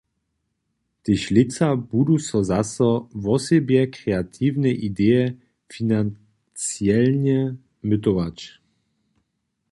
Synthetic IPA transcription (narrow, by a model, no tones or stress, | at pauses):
t̪ɪɕlɪt͡sabud̪usɔzasɔvɔsɛbjɛkɾɛat̪ʰivnɛʔid̪ɛjɛ | finan | t͡sjɛlɲɛ | mɪt̪ɔvat͡ɕ